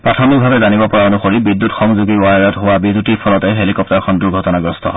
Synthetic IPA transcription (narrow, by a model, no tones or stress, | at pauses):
pɹatʰɔmik̚bʱabɛzanibɔpɔɹaonuxoɹibidːutxɔŋzuɡiajɹɔtɦowabidːutiɹpʰɔlɔtɛɦelikɔp̚taɹkʰɔnduɹɡʱɔtɔnaɡɔstɔ̰